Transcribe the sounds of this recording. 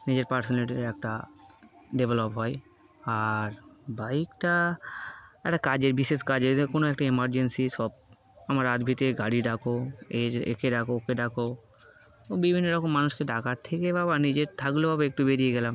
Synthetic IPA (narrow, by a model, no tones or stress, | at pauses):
nid͡ʑeɾpaɾsoneʈiɾɛk̚ʈa | ɖebʱelopɦɔe | aɾbajkʈa | ɛk̚ʈakad͡ʑeɾbiʃeʃkad͡ʑekonoɛk̚ʈaemaɾd͡ʑensiʃɔb̚ | amaɾad̪bʱit̪eɡaɽiɖakoeɾḛkʰeɖakookeɖako | obibʱinːoɾɔkomːanuʃkeɖakaɾt̪ʰekebabanid͡ʑeɾt̪ʰaklobabeek̚ʈubeɾieɡɛlam